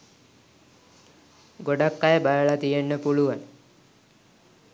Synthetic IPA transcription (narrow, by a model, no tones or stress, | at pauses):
ɡoɖakːajəbajəɭat̪ijenːəpuluʋan